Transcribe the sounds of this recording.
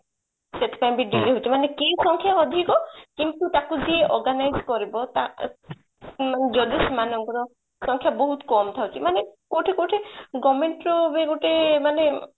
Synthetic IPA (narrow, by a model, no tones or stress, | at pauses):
set̪ʰe̥paj̃biɖiɾeɦot͡ʃʰimanekejsɔŋkʰjaɔd̪ʱikɔkint̪ut̪akud̪ieʔɔɾɡanajzkɔɾibɔt̪a̰ | maned͡ʒɔd̪ismanɔŋkɔɾɔ | sɔŋkʰjabɔɦut̪kɔmt̪ʰawt͡ʃʰimanekoʈʰekoʈʰeɡɔmeɳʈɾɔbeɡoʈʰemane